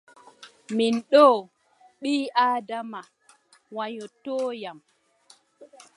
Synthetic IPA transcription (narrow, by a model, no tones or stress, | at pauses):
minɗɔː | ɓiːʔaːdama | waɲɔtɔːjam